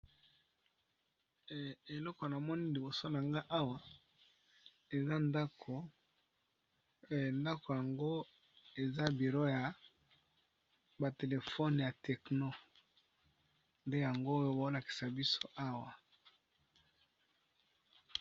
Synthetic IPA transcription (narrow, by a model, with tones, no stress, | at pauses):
e˨lɔ˦ko˨na˨mɔ˦ni˦li˨bo˨so˦na˨ŋɡa˦ʔa˦wa˨ | e˨za˦nda˦ko˨ | nda˦ko˨ja˨ŋɡo˦ | e˨za˦bi˨ʁo˦ja˨ | ba˨te˨le˨fɔ˦n˨ja˨tɛ˨kno˦ | nde˦ja˨ŋɡo˦jo˦bo˨˦la˨ki̥˨sa˨bi˦so˦ʔa˦wa˨